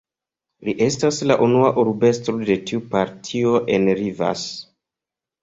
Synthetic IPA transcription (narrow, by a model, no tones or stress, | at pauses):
liʔe̞staslaʔunuaʔuɾbe̞stɾo̞de̞tiupaɾtʰio̞ʔe̞nɾiva̰s